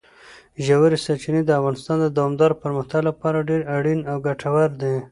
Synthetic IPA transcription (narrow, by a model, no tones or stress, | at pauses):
ʒawaɾisaɾt͡ʃinid̪əafɣɑnɪst̪ɑnd̪əd̪awɑmd̪ɑɾpəɾməxt̪aɡlapɑɾaɖeɾaɽinawɡaʈʰawaɾd̪e